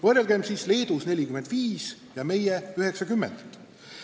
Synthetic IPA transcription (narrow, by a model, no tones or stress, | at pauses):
vɤrjelɡ̥e̞msiːsle̞ːd̪̥usne̞lʲikyme̞nd̪̥viːs | jɑme̞jeyhe̞ksɑkymːḛnd̪̥